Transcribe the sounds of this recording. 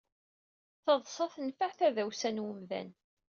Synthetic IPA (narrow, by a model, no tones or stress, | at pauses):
θəðˤsˤɑθənfaʕθæðæwsænwəmðæ̰n